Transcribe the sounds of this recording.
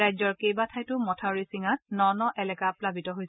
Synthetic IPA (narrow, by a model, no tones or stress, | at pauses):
ajzɔɹkejbatʰajtʊmɔtʰaɹisiŋatnɔnɔʔɛlɛkaplabitɔɦojsɛ